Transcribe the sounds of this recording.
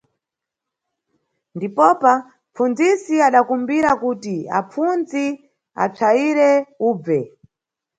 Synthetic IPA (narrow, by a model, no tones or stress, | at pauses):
ndipɔpa | mfunzisiaɗakumbiɾakutia̰p͡funzi | a̰t͡ʂʰaiɾɛuːb͡vɛ